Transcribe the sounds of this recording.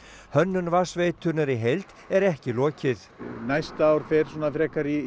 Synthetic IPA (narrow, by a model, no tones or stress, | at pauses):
hœnːʏnvasvejt̪ʰʏnʏɾiɦejlt̪ | ɛɾɛhcɪlɔːcɪθnajst̪aːwɾ̥fɛɾ̥sɔːnafɾɛːkaɾi